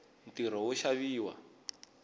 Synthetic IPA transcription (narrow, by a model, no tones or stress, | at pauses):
n̩tiɾ̤ɔwuʃaβiːwa̰